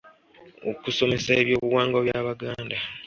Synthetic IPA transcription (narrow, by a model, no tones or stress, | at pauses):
o̰kuso̞me̞saːβjo̞ːβuwaːŋɡoβjaːβaɡaːnda